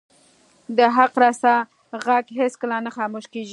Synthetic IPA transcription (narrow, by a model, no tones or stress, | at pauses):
d̪əɦaqɾɑsa | ɣaɡɦeskəlanaxɑmoʃkeʒi